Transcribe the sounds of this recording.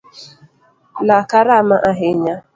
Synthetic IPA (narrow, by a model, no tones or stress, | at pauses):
lakaɾamaʔaɦeɲa